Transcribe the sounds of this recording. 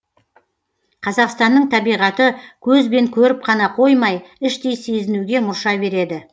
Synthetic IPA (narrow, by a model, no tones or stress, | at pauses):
qʰɑzɑqst̪ɑnːəɴt̪ʰɑbijʁɑt̪əkʲʰɵzbe̞ŋkʲʰɵɾɪp̚qʰɑnɑqʰo̞jmɑjɪʃt̪e̞jse̞zɪnuɡʲe̞mʊɾʃɑbe̞ɾe̞d̪ɪ